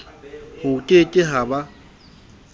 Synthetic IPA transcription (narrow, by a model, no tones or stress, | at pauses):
hʊtʼetʼɪɦaba